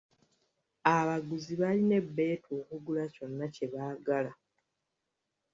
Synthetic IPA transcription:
aβaɡuziβaline̞bːe̞ːtoːkuɡulaco̞nːace̞βaːɡala

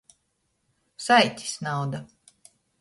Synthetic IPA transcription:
sajt̪ʲi̥snawd̪a

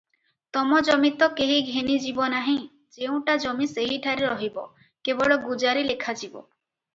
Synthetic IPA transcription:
t̪ɔmɔd͡ʒɔmit̪ɔkeɦiɡʱenid͡ʒibɔnaɦĩ | d͡ʒeũʈad͡ʒɔmiseɦiʈʰaɾeɾɔɦibɔ̰ | kebɔɭɔɡud͡ʒaɾilekʰad͡ʒibɔ̰

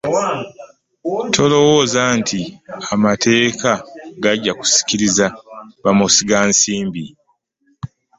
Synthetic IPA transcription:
tʰo̞lo̞wozantʰiamatʰe̞ːkaɡaɟːaku̥si̥ciɾizaβamusiɡaːnsiːmbi

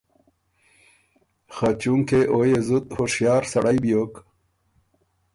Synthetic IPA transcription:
xat͡ɕuŋkeʔojezut̪hoʂjɑːɾsaɽajbijoːk

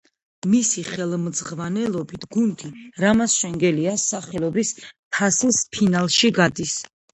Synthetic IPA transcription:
misiχɛlˠmd̪z̥ʁvanɛlˠɔbit̪ʰɡund̪iɾamasʃɛŋɡɛliasaχɛlˠɔbispʰasispʰinalˠʃiɡad̪is

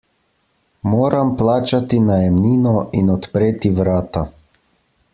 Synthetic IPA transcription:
moːɾamplaːt͡ʃat̪inajɛmniːnɔinɔt̪pɾeːt̪iʋɾaːt̪a

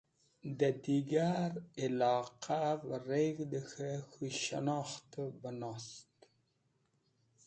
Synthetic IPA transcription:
d̪əd̪iɡaɾɪlɑqʰavəɾeɣd̪əxaxuʃa̰nɑxt̪əbənɑst̪

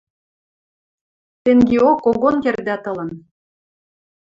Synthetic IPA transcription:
t̪eŋɡeokoɣonkerd̪ɑt̪ɤ̆lə̆n

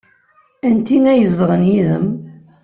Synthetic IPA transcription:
ænt̪inæjəzðəʁənjiðəm

